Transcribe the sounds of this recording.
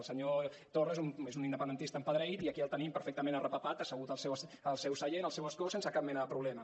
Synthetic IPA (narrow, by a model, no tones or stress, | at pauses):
lˠsəɲo | t̪orəezumezunind̪əpənd̪ənt̪ist̪əmpəðɾəit̪iəkiəlˠt̪ənimpəɾfɛk̚t̪əmenərəpəpat̪əsəɣut̪əlˠsɛwsəlˠsɛwsəʎenəlˠsewəskosensəkap̚mɛnəðəpɾuβlɛmə